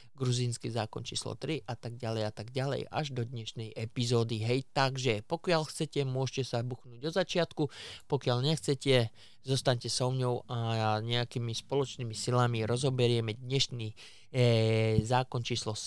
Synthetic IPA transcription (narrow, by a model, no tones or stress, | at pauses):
ɡɾuziːnskizaːkɔ̰nt͡ʃḭːslɔ̰t̪ɾiʔat̪aɡ̚ɟalɛjat̪aɡɟalɛ̰ja̰ʒd̪ɔd̪ɲɛʃnɛjʔɛpizɔːd̪iɦɛjt̪aɡʒɛpɔkɪalxt͡sɛcɛmʊɔʃcɛsabuxnuːɟɔzat͡ʃɪat̪kupɔkɪaʎɲɛxt͡sɛcɛ | zɔst̪aɲcɛsɔʊɲɔʊaɲɛakimispɔlɔt͡ʃniːmisilamiɾɔzɔbɛɾɪɛmɛd̪ɲɛʃniː | zaːkɔnt͡ʃiːslɔs